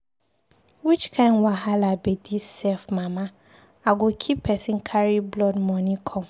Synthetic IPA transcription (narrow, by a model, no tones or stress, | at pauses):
wit͡ʃkʰãɪ̃nwaɦalabɛdisɛfmãmã | aɡʊkʰipʰɛsɪ̃nkʰaɾiblɔdmɔ̃nɪ̃kʰɔ̃m